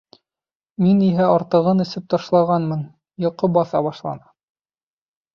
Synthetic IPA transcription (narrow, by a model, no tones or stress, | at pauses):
miniɦæɑɾt̪ɤ̆ʁɤnɵ̆sɘp̚t̪ɑʃlˠɑʁɑnmɤn | jŏqɤbɑθɑβɑʃlˠɑ̰nɑ̥